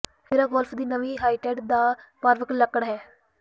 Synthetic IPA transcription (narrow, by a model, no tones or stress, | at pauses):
pʰɪɾaɡɔːlpʰd̪iːnəʋiːɦaːiːʈɛːɖd̪aːpaːɾʋəkləkəɳɦɛː